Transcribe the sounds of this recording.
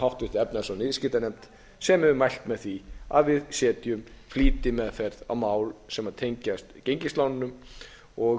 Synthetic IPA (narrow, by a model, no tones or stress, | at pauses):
hawht̪vɪht̪ɪɛpnɪasɔnɪðscɪːt̪anɛjmt̪ | sɛmɛvʏmajl̥t̪mɛðθvia̰ðvɪðsɛːt̪jʏmfliːt̪ɪmɛðfɛɾða̰wmaːwlsɛmaðt̪ʰejɲcast̪cejɲcɪst̪lawnɪnʏm | ɔ